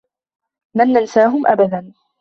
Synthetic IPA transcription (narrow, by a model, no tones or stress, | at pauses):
lanːansaːɦʊmʔabad̪an